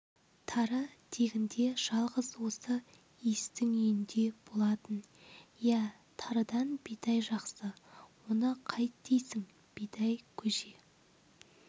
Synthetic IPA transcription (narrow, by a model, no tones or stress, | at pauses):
t̪ʰɑɾəd̪̥ʰe̞ɡʲɪnd̪e̞ʒ̥ɑlˠʁəzwo̞sə | ijst̪ɪŋejɪnd̪e̞b̥o̞lˠɑt̪ənjæ | t̪ʰɑɾəd̪ɑnb̥et̪ɑjʒɑqsəwo̞nəqʰɑjt̪d̪ejsɪŋ | b̥et̪ɑjkʲʰɵʒe